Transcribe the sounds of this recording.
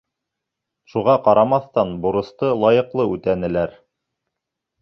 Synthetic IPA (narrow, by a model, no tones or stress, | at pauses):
ʃuʁɑqɑɾɑmɑθt̪ɑnbuɾɤ̆st̪ɤlˠɑjɤ̆qlˠɤʉt̪ænɘ̆læɾ